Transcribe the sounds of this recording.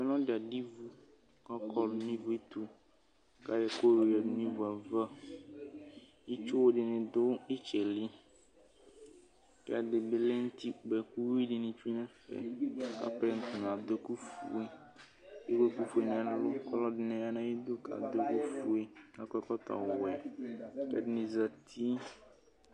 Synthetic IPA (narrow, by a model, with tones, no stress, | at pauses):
ɛ˦nɔ̃˦dɪ˨a˨di˦vu˦ | kɔ˦kɔ˦lnĩ˦vu˦e˦t̪u˨ | ka˦jɛ˦ko˦ɾi˨a˨ʊ˨nĩ˦vu˨a˨va˦ | i˦t͡ʃʊ˦wo˦ɖɪ˨nɪ̃˨d̪ʊ˦i˦t͡ʃɛ˨lɪ˦ | dɪ˦a˨d̪ɪ˨bɪ˦lɛ˦n̩˦t̪i˦k͡pɛ˨ku˦wi˦ɖɪ˨nɪ̃˨t͡ʃu˦i˦nɛ̃˦fɛ̰˨ka̰˨pɛ˦n̩˦t̪u˨nã˨d̪e˦ku˦fṵ˦e˦ | e˦ke˦ku˦fu˦e˦˨nɛ̃˨˦n˦lʊ˨˦kɔ˦lɔ˦dɪ˨nɛ̃˦a˦nã˦ji˦d̪o˦ka̰˨d̪o˦ku˦fu˦e˦nã˨kɛ˦kɔ˦t̪ɔ̰˨wwɛ˨ka˨dɪ˨nĩ˨za˨t̪ʰi˦